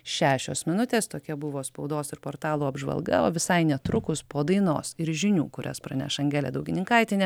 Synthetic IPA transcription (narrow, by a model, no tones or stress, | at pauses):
ʃʲæːʃʲo̰ːsmʲɪnʊt̪ʲeːst̪oːkʲɛbʊʋoːspɒʊd̪oːsɪɾpoːɾt̪ɑːlˠuːɐbʒʋɐ̰lˠɡɐ̰o̰ːʋʲɪsɐɪnʲɛt̪ɾʊkʊspoːd̪ɐɪno̰ːsɪɾʒʲɪnʲṵːkʊɾʲɛ̰spɾɐ̰nʲæ̰ʃɐŋʲɡʲæːlʲḛːd̪ɐʊɡʲɪnʲɪŋkɐɪt̪ʲɪnʲɛ